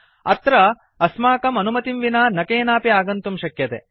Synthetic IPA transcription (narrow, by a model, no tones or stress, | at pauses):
ɐ̰t̪ɾɐ | ɐsmaːkɐmɐnumɐt̪imʋinaːnɐkeːnaːpiaːɡɐnt̪umʃɐkjɐt̪ḛ